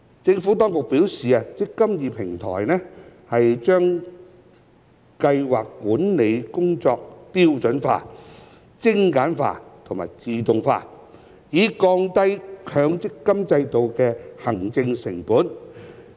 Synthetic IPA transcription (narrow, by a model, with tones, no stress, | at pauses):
t͡sɪ˧ŋfuː˨˥t̪ɔː˥ŋkʊ˨k̚piː˨˥wsiː˨aː˧t͡sɪ˥kːɐ˥mjiː˨˧pʰɪ˨˩ŋt̪ʰɔ̰ː˨˩jnɛ˥hɐ˨jt͡ʃœː˥ŋ | kɐ˧jwaː˨kːuː˨˥nne˨˧jkʊ˥ŋt͡ʃɔː˧k̚piː˥wt͡sɵ˨˥nfa̰ː˧ | t͡sɪ˥ŋkaː˨˥nfa̰ː˧t̪ʰʊ˨˩ma̰ː˨˩jt͡siː˨t̪ʊ˨ŋfa̰ː˧ | jiː˨˧kɔː˧ŋt̪ɐ˥jkʰœː˨˧ŋt͡sɪ˥kːɐ˥mt͡sɐ˧jt̪o˨wkɛː˧hɐ˨˩ŋt͡sɪ˧ŋsɪ˨˩ŋpuː˨˥n